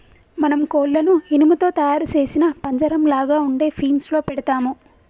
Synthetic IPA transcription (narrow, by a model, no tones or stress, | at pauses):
mɐnɐmkoːlːɐnuhinumut̪o̞ːt̪ɐjaːɾut͡ʃe̞ːsinɐpɐɲd͡ʒɐɾɐmlaːɡaːuɳɖe̞ːpʰiːnslo̞ːpɛɽɐt̪aːmu